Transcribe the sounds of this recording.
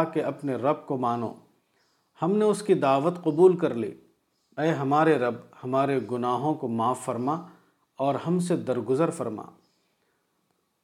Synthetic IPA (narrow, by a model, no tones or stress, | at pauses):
keɐpneɾɐb̚komaːno̰ː | hɐmneʊskid̪aːʋət̪qʊbuːlkɐɾlḭː | ɛːɦɐmaːɾeɾɐbhɐmaːɾeɡʊnaːɦõkomaːfːɐɾma | ɔːɾhɐmsed̪ɐɾɡʊzəɾfɐɾma̰ː